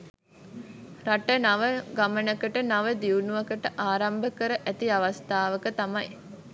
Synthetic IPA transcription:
raʈənaʋəɡamənəkəʈənaʋəd̪iunuʋɐkəʈəʔaːɾambəkəɾəʔæt̪iaʋast̪aːʋəkət̪amaj

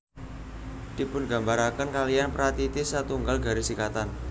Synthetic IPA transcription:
d̪̥i̤pʊnɡa̤mbaɾakənkalijanpɾat̪it̪ɪsat̪uŋɡalɡa̤ɾisikat̪an

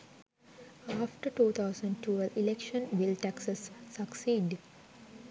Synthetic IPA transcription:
aːfʈəɾʈuːt̪ʰaʊsə̃ɳɖ̚ʈʰuːelilekʃə̃nʋilʈæksəsːəksiːɖ

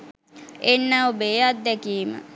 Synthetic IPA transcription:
enːəobeːat̪̚d̪ɛkiːmə̰

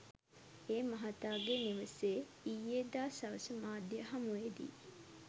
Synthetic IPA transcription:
eːmɐɦɐt̪aːɡeniʋəseː | ijed̪aːsɐʋəsəmaːd̪jəɦɐmuʋed̪ḭ

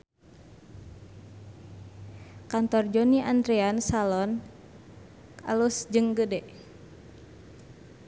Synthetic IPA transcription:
kant̪ɔrd͡ʒɔniʔand̪ɾeansalɔn | a̰lusd͡ʒɨŋɡədɛ

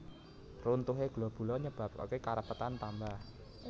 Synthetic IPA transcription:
runt̪uɦeɡ̥lɔb̥ṳlɔɲəb̥a̤po̰kekaɾəpət̪ant̪ambah

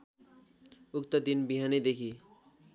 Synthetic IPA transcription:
ukt̪ʌd̪inbiɦaned̪ekʰi

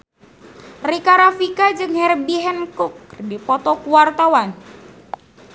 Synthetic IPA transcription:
rikaɾafikad͡ʒɨŋhɛrbiɦɛnkʊkːrdipɔt̪ɔkuwart̪awan

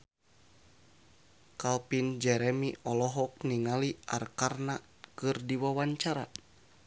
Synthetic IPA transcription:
kalpind͡ʒɛɾɛmiʔɔlɔɦɔk̚niŋaliʔa̰rkarna | kɨrdiwawaɲt͡ʃaɾa̰

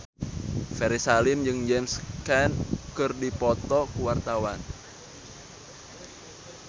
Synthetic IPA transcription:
fɛɾisalɪmd͡ʒɨŋd͡ʒɛmskɛnkɨrdipɔt̪ɔkuwart̪awan

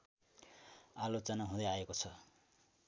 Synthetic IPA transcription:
alot͡sʌnaɦũd̪ʌaekot͡sʰʌ

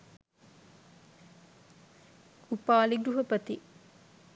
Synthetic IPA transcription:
upaːliɡɾuɦɐpɐt̪i

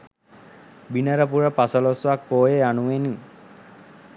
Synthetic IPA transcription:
binəɾəpuɾəpasəlosʋak̚poːjeanuʋeni

